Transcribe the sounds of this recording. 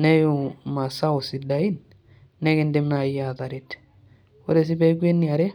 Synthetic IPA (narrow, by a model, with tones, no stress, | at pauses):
nɛ˦ju˨ma˨sa˦u˨si˨da˨i˦n | nɛ˦ke˨nde˦mna˨ja˨ða˨ɾi˨t | o˦ɾe˨s̬i˦bɛ˦ɡe˦nːi˨a˨ɾɛ˦